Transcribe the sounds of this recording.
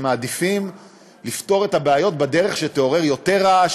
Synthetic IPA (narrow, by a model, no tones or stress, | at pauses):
maːd̪ifim | lifto̞ʁe̞tabeajo̞tbad̪e̞ʁe̞χʃet̪eo̞ʁe̞ʁjo̞t̪e̞ʁa